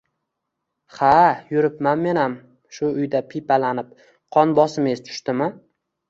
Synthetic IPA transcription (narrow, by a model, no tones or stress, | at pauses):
hajʊɾɪpmanme̞nam | ʃʊʊjd̪apʰipalanɪp̚ | qʰɒnbɒsɪmest̪ʰʊ̥ʃt̪ɪmɪ